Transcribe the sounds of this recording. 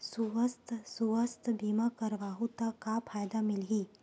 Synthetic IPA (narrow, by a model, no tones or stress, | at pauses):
suʋəst̪ʰsuʋəst̪ʰbiːmakɐɾʋaːɦut̪akapʰaːjd̪amɪlɦiː